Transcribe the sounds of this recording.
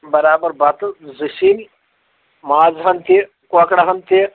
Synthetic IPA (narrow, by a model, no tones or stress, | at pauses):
bɐɾaːbɐɾbɐt̪zisin | maːzɦɐnt̪i | kɔkɽɐɦɐnt̪i